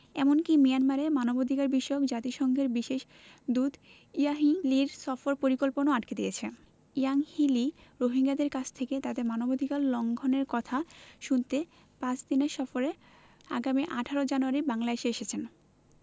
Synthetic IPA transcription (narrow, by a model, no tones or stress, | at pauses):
ɛmonkimijanmaɾemanobod̪ʱikaɾbiʃokd͡ʑat̪iʃɔŋɡʱeɾbiʃeʃ | d̪ud̪ʱ | ijaɦiliɾsɔfoɾpoɾikolponoaʈked̪ijet͡ɕʰe | ijaŋhiliɾoɦiŋɡad̪eɾkat͡ɕʰt̪ʰeket̪ad̪eɾmanobod̪ʱikallɔŋɡʱoneɾkɔt̪ʰaʃunt̪e | pãt͡ɕd̪ineɾʃɔfoɾe | a̰ɡamiʔaʈʰaɾod͡ʑanuaɾibaŋlaeʃeeʃet͡ɕʰen